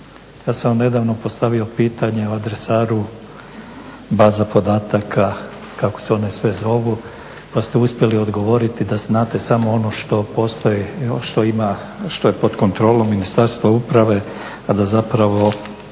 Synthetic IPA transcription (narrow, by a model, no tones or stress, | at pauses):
jaːsaamne̞d̪aʋno̞po̞st̪aʋio̞piːt̪aɲe̞oad̪ɾesaːɾu | baːzapo̞d̪aːt̪akʰa | kako̥se̞o̞nesʋe̞zo̞ʋu | past̪e̞uspje̞lio̞d̪ɡo̞ʋo̞ɾit̪id̪aznaːt̪e̞samo̞ono̞ʃt̪o̞po̞st̪ojiʃt̪o̞ima | ʃt̪o̞jepo̞d̪ko̞nt̪ɾo̞ːlo̞mːinist̪aɾst̪ʋaupɾaʋe̞ | ad̪azapɾaʋo̞